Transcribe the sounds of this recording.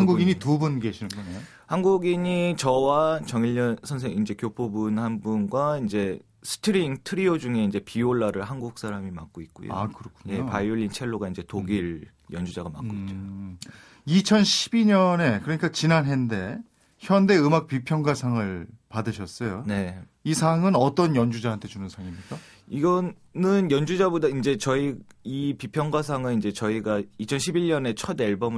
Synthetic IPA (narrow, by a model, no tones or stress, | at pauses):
anɡuɡiɲitubunɡeɕʰinɯnɡʌnejo | hanɡuɡiɲit͡ɕʌwat͡ɕʌŋiʎːʌnsʰʌns̬ʰe̞ŋind͡ʑe̞kjopʰobunhanbunɡwaind͡ʑe̞ | sʰɯ̥tʰɯɾiŋtʰɯɾiod͡ʑuŋe̞ind͡ʑe̞pioɭːaɾɯɭɦanɡuk̚s͈aɾamima̰k͈̚oit̚k͈ujo̰a̰kɯɾʌkʰuɲje̞opajuʎːint͡ɕʰe̞ɭːoɡaind͡ʑe̞toɡiɾ | jʌnd͡ʑud͡ʑaɡama̰k͈oit͡ɕ͈o | it͡ɕʰʌnɕʰi̥biɲʌne̞kɯɾʌɲik͈at͡ɕinanɦende̞ | çjʌnde̞ɯmak̚pipʰjʌŋɡasʰaŋɯɭpadɯɕʰʌs͈ʌjone̞ | isʰaŋɯnʌt͈ʌnjʌnd͡ʑud͡ʑaɦantʰe̞t͡ɕunɯnsʰaŋimɲik͈a | iɡʌ | nɯnjʌnd͡ʑud͡ʑabodaind͡ʑe̞t͡ɕʌiipipʰjʌŋɡwas̬ʰaŋɯnind͡ʑe̞t͡ɕʌiɡait͡ɕʰʌnɕʰibiʎɲʌne̞t͡ɕʰʌde̞ɭbʌmɯ